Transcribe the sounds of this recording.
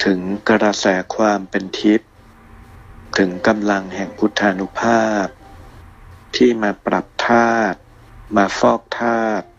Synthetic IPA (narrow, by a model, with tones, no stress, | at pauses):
t̪ʰɯ˩˦ŋkɾa˧sɛː˩˦kʰwaː˧mpe˧nt̪ʰi˦˥p̚ | t̪ʰɯ˩˦ŋka˧mla˧ŋhɛ˨˩ŋpʰu˦˥t̪ʰːa˧nu˦˥pʰaː˥˩˥p̚ | t̪ʰiː˥˩maː˧pɾa˨˩p̚t̪ʰaː˥˩t̪̚ | maː˧fɔː˥˩k̚t̪ʰaː˥˩t̪̚